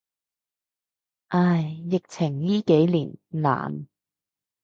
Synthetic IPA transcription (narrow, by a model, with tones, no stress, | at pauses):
ʔaː˧˩jːɪ˨k̚t͡sʰɪ˨˩ŋjiː˥ke˨˥jliː˨˩nla̰ː˨˩n